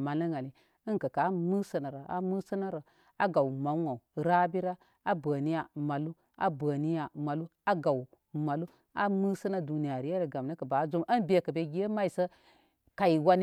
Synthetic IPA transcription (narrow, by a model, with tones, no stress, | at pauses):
ma˨lə˦ŋa˨li˨ | ə˦nkə˨ka˨˦mɨ˦sə˦na˨ɾa˨a̰˨˦mu˦sə˦na˦ɾə˨ | a˦ɡa˨u˨ma˨˦wa˨u˨ɾa˦bi˦ɾa˦ | a˦bə˨ni˦ja˨ma˨lu˦ | a̰˦bə˨ni˦ja˨ma˨lu˦a˦ɡa˨wu˨ | ma˨lu˦ | a̰˦mɨ˦sə˦na˦du˨ni˦ja˨ɾi˦je˦ɾə˨ɡa˨m˨nə˦kə˨ba˨˦zu˦mʔə˦nbe˦˨kə˨be˦ɡi˦je˦ma˦i˨sə˦ | ka˨i˨wa˦n˦